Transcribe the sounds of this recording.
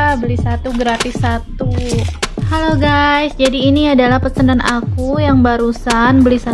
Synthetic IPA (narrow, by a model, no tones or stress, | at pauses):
bəlisat̪uɡɾat̪isːat̪u | haloɡajsd͡ʒadiːniadalahpərsənanʔa̰kujaŋbaɾusanbəlisa